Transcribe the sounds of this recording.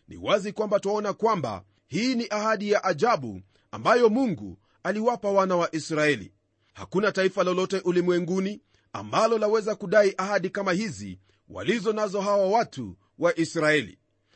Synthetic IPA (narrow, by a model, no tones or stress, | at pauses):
nḭwazikwambataɔnakwamba̰ | hiːniʔahaɗijaʔaʄaɓṵ | a̰mbajɔmuŋɡṵ | aliwapawanawaʔisɾaɛlḭ | ha̰kunataifalɔlɔtɛʔulimwɛŋɡuni | a̰mbalɔlawɛzakuɗaiʔahaɗikamahizḭ | wa̰lizɔnazɔɦawawatṵ | waʔisɾaɛlḭ